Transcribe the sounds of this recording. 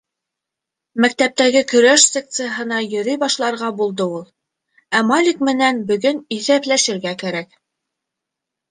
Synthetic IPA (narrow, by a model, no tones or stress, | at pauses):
mæk̚t̪æp̚t̪æɡɘkɵ̆ɾæʃsʲek̚t̪sɨjəɦɤ̆nɑjɵ̆ɾɘjbɑʃlˠɑɾʁɑbulˠd̪ɤulˠ | æmalʲik̚mɘ̆nænbɵ̆ɡɵniθæplæʃɘ̆ɾɡækæɾæk